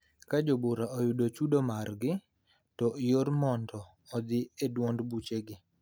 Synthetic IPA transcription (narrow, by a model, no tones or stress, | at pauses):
kad͡ʒobuɾaɔjʊdot͡ʃudomarɡɪ | tɔjoɾmɔndɔː | d̪ɪedwɔndbut͡ʃeɡɪ